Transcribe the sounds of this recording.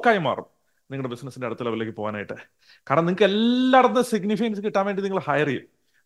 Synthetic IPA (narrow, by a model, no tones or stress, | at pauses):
kːaːjuma̰ːrṵm | niŋːɐɽebisnɐsːindeɐɽɐt̪ːɐlɐbɐlekːɨpo̞ːɣaːnaːjiʈːɨ | kaːɾɐɳɐmniŋɨkːɨelːaːɽɐnnːɐsiɡnifiɐjɐnsɨkiʈːaːnʋeːɳɖiniŋːɐɭhajrijṵm